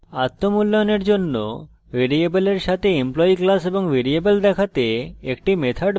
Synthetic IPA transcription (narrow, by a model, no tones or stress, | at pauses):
at̪ːomulːojoneɾd͡ʑonːo̰ | veɾiebeleɾʃat̪ʰeemplɔiklaseboŋvʱeɾiebeld̪ɛkʰat̪eekʈimet̪ʰaɖ